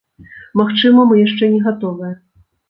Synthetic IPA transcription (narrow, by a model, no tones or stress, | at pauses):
maxt͡ʂɨmɐmɨjaʂt͡ʂɛnʲɛɣat̪ɔvɨjɐ